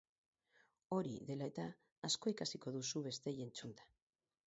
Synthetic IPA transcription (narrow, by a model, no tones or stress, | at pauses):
o̞ɾḭðe̞laet̪aː | sko̞ikasiko̞ðusuβe̞st̪e̞ʝent͡sund̪ḁ